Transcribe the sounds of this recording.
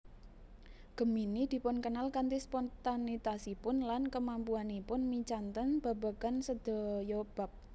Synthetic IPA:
ɡ̥ə̤minid̪̥i̤pʊnkənalkant̪ispɔnt̪anit̪asipʊnlankəmampuanipʊnmit͡ʃant̪ənb̥a̤ba̤kansəd̪̥ɔ̤jɔb̥a̤p̚

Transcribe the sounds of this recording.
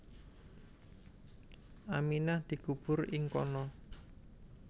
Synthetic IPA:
ʔaminahd̪̥i̤kub̥ʊrɪŋkɔ̰nɔ

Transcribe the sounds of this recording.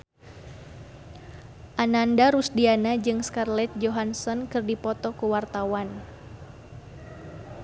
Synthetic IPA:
ʔanandaɾusdianad͡ʒɨŋskarlɛt̪̚d͡ʒoɦansɔnkɨrdipɔt̪ɔkuwart̪awan

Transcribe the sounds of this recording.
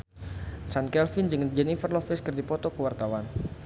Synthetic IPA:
t͡ʃankɛlfɪnd͡ʒɨŋd͡ʒɛnifərlɔfɪskərdipɔt̪ɔkəwart̪awan

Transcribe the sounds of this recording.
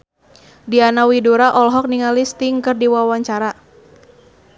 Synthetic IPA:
dianawiduɾaʔɔlɦɔk̚niŋalist̪iŋkɨrdiwawaɲt͡ʃaɾa

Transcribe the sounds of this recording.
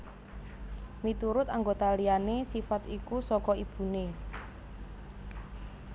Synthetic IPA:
mit̪uɾʊt̪aŋɡot̪alijanesifat̪ikusɔkɔib̥ṳne

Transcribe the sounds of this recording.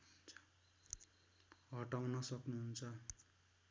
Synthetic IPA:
t͡sʰʌ̥ | ɦʌʈawnʌsʌknuɦunt͡sʰʌ

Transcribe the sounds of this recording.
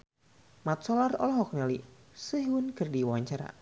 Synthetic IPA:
mat̪̚sɔlarɔlɔɦɔk̚nɛli | səɦwunɡɨrdiwaaɲt͡ʃaɾa̰

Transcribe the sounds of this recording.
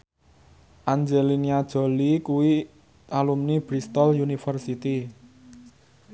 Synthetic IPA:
ʔand͡ʒeliniad̥ʒ̥o̤likuwi | ʔalumnib̥ɾist̪ɔljunifərsit̪i

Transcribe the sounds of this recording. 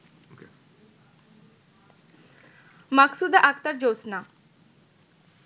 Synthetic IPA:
məksuːd̪aʔakt̪əɾd͡ʒoːsnaː

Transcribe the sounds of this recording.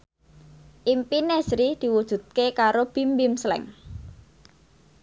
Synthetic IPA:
ʔimpinesɾid̪̥i̤wud̥ʒ̥ṳd̪̚kekaɾob̥imbɪmslɛ̰ŋ

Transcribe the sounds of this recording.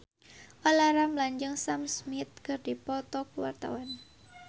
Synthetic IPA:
ʔɔlaɾamlaɲd͡ʒəŋsamsmɪt̪̚kɨrdipɔt̪ɔkuwa̰rt̪a̰wan

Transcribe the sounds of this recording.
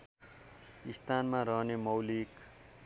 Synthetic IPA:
ist̪aːnmãɾʌɦnemʌwlik

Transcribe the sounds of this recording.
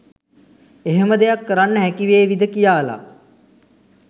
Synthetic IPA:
eɦeməd̪ejakːəɾanːəɦɛkiʋeːʋid̪əkijaːla̰

